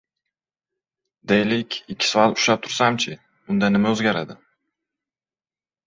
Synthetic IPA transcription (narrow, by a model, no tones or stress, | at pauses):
d̪ejlɪkʲɪkʲʰːɪ̥sɒalˠʊʃlap̚t̪ʰʊɾsamt͡ʃʰɪ | ʊnd̪anɪmaɵzɡʲaɾad̪ɪ